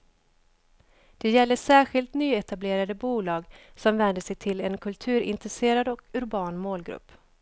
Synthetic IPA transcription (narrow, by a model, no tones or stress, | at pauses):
d̪̥ɛjɛlːəʂæːɧɪlt̪nyːɛt̪ableːɾad̪əbuːlɑːɡsɔmvɛnd̪əsɛjt̪ʰɪlɛnkʰɵlt̪ʰʉ̟ːɾɪ̰nt̪ɾɛseːɾad̪ɔkɵɾbɑːnmoːlɡɾɵ̰pː